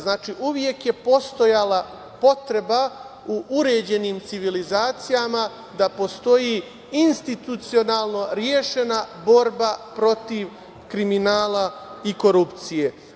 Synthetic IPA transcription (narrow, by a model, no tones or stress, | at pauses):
znaːt͡ʃiʔuʋje̞kje̞po̞st̪o̞jala | po̞t̪ɾe̞ba | uʔuɾe̞ːd͡ʑe̞nimt̪siʋilizaːt̪sijama | d̪apo̞st̪o̞ji | inst̪it̪ut̪sio̞naːlˠno̞ɾjeʃe̞nabo̞ɾbapɾo̞t̪iʋ | kɾiminaːlˠaiko̞ɾupt̪sije̞